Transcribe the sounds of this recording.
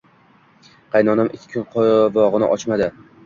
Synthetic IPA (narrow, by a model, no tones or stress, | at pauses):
qʰɑjnɒnamʔɪkʲːʰkʰʲːɪqʰɒvɒʁɨnɪ̰ʔɒt͡ʃmad̪ɪ